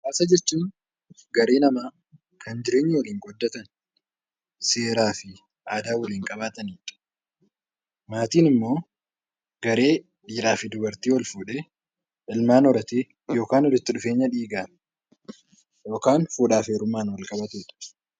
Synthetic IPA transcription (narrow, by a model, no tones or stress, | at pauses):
kaːsɐd͡ʒɛt͡ʃːuːn | ɡɐɾe̞ːnɐmaː | kʰɐnd͡ʒɪɾe̞ːɲːɪwɐliːŋɡɔd̪ːɐt̪ɐn | se̞ːɾaːfɪ | aːd̪aːwɐliːŋkʼɐbaːt̪ɐniːᶑɐ̥ | maːt̪iːnɪmːo̞ː | ɡ̥ɐɾe̞ː | ᶑiːɾᶑaːfɪd̪ʊbɐɾt̪iːwɐlfuːᶑe | ʔɪlmaːnɔɾɐt̪eː | jo̞ːkaːnɔd̪ʊt̪ːɪᶑʊfeːɲːɐᶑiːɡaːm | jo̞ːkaːnfuːᶑaːfeːɾʊmaːnwɐlkʼɐbɐt̪uːᶑɐ̥